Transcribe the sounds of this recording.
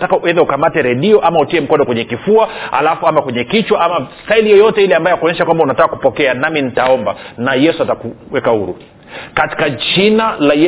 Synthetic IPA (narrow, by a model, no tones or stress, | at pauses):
takaɛðaukamatɛɾɛɗiɔʔamautiɛm̩kɔnɔkwɛɲɛkifuaha̰lafuamakwɛɲɛkit͡ʃwaʔamastailijɔjɔtɛilɛambajakɔɲɛʃakwambaunatakakupɔkɛanamin̩taɔmbanajɛsuatakuwɛkahuɾṵ | kati̥kad͡ʒinalajɛ